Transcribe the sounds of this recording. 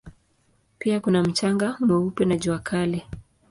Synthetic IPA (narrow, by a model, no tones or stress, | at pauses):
piakunam̩t͡ʃaŋɡamɛupɛnaʄuakʰalɛ